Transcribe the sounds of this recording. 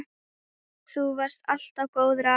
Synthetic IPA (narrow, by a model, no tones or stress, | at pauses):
θuvaɾ̥st̪al̥t̪avkoːwðɾa